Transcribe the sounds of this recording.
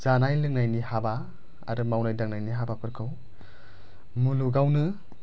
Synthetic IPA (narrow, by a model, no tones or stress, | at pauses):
z̥anajlɯŋnajnihaba | a̰ɾɯmawnajdaŋnajniɦabapʰɯɾkʰɯw | muluɡawnɯ